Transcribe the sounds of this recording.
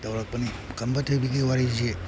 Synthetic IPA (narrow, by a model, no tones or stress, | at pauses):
tɐwɾak̚pɐni | kʰɐmbɐtʰojbiɡiwaɾize